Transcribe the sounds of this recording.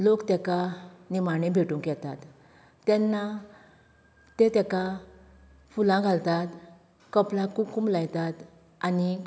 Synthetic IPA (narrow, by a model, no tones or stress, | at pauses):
lokt̪ɛkanimaɳ̃ẽbʱeʈũŋkjɛt̪at̪ː | ɛ̃nːa | t̪et̪ɛka | fulãɡʱalt̪at̪ | kəplãkukumlajt̪at̪ | ani